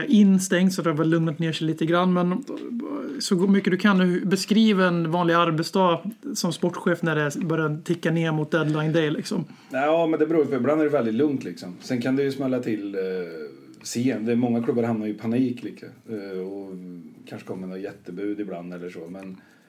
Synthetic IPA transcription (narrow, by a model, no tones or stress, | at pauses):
ʔɪnːst̪ɛŋt̪sɔfɾt̪ɑlɵmnət̪neːʂɛliːt̪əɡɾanːmɛn | sɔmʏkːəd̪ɵkʰanːhbɛskɾiːvaɛnvɑːnlɪɡaɾbɛt̪sd̪ɑːsɔmspɔʈːɧeːfnæɖɛbœɾjat̪ʰɪkːaneːɾmʊt̪̚d̪ɛd̪laɪnd̪ɛjlɪksɔm | ɑːmɛnd̪ɛbɛɾuːjpʰɔːɪbland̪æɾɖɛvɛld̪ɪt̪lɵŋt̪lɪksɔmsɛnkʰand̪ɛjɵsmɛlːat̪ʰɪl | seːɛd̪ɛmɔŋːakʰlɵbːaɾhamnaɾjʏɪpʰaniːkliːkʰaɔkʰanʂə̥kʰɔmːənɔjɛt̪ːəbʉ̟ːd̪ɪbla̰nd̪ɛlːəʂoːmɛn